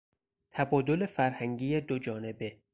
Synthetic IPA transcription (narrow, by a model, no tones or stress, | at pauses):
t̪ʰæbɒːd̪o̞lefæɾhæŋɟiːjed̪od͡ʒɒːne̞be